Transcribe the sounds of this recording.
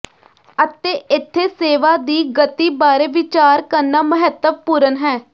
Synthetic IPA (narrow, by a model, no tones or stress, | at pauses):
ət̪eːɪt̪ʰːeːseːʋaːd̪iːɡət̪iːbaːɾeːʋɪt͡ʃaːɾkəɾnaːməɦət̪əʋpuːɾənɦɛː